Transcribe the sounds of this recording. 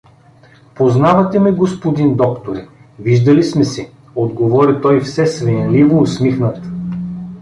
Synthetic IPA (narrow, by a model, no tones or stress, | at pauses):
poznavɐt̪ɛmɛɡospod̪ind̪ɔkt̪oɾɛ | viʒd̪ɐlismɛsɛ | od̪ɡovɔɾit̪ɔjfsɛsvɛnlivoːsmixnət̪